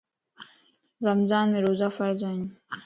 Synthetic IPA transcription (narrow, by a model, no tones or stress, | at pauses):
ɾɐmzaːnmeɾoːzaːfɐɾzan